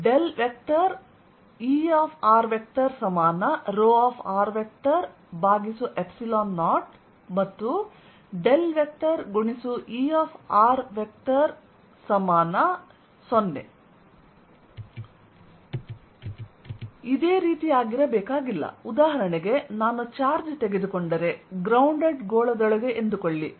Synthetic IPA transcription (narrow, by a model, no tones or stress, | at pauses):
ɖelʋek̚ʈɐɾ | iːaːpʰaːɾʋek̚ʈɐɾsɐmaːnɐɾoːaːpʰaːɾʋek̚ʈɐɾ | bʱaːɡisuʔepsilaːnːaːʈ | mɐt̪ːu | ɖelʋek̚ʈɐɾɡuɳisuʔiːaːpʰaːɾʋek̚ʈɐɾ | sɐmaːnɐ | sonːḛ | id̪e̞ːɾiːt̪iaːɡiɾɐbɛːkaːɡilːɐ̰ud̪aːɦɐɾɐɳeɡe̞naːnut͡ʃaːɾd͡ʒt̪e̞ɡe̞d̪ukoɳɖɐɾe̞ɡɾɐwɳɖeɖɡoːɭɐd̪ɐɭɐɡe̞ʔend̪ukoɭːi